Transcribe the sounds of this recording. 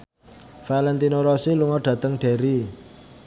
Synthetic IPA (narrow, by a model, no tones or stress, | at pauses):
falɛnt̪inoɾɔsiluŋɔɖ̥ä̤t̪əŋɖ̥e̤ɾi